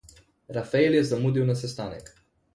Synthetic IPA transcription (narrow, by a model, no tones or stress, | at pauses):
ɾafaeljɛzamuːd̪iwnas̬ɛst̪aːnɛ̰k